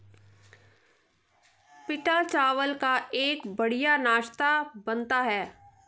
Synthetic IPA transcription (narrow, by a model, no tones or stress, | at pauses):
pɪʈat͡ʃaːʋəlkaʔeːkbɐɽijanaːʃt̪abɐnt̪aɦɛː